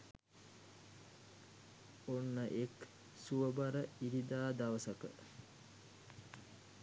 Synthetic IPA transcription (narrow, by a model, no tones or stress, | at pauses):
onːəʔek | suəbaɾəiɾid̪aːd̪aʋəsəkə